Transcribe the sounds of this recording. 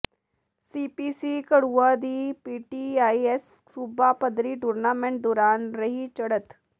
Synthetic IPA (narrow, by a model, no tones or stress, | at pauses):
siːpiːsiːkəɽuːad̪iːpiːʈiːaːiɛs | suːbaːpəd̪ɾiːʈuːɾnaːmẽɳʈ̚d̪oːɾaːnɾəɦit͡ʃɐɽət̪